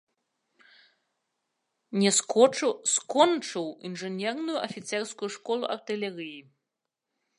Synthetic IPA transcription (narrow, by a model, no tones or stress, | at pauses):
nʲɛ | skɔnt͡ʂɨwḭnʐɨnʲɛrnujuʔɐfʲit̪sɛrskujuʂkɔlˠṵʔɐrt̪ɨlʲɛɾɨji